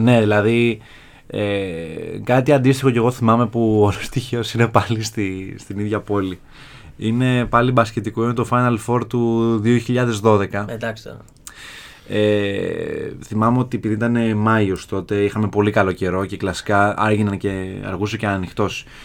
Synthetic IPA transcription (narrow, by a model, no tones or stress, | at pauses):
ne̞ðilɐði | e | kɐt̪iɐnd̪ist̪ixo̞ce̞ɣo̞θimɐme̞puolost̪içeosine̞pɐlist̪ist̪iniðʝɐpo̞li | ine̞pɐlibɐscet̪ikoinet̪o̞fajnɐlfo̞ɾt̪uðio̞çiʎɐðe̞zðo̞ðe̞kɐed̪ɐkst̪ | e | θimɐmeo̞t̪iepiðiit̪ɐne̞mɐost̪o̞t̪e̞ixɐme̞po̞likɐlo̞ce̞ɾo̞ce̞klɐsi̥kɐɐ̰ɾʝinɐnce̞ɐ̰ɾɣuseceɐnixt̪o̞s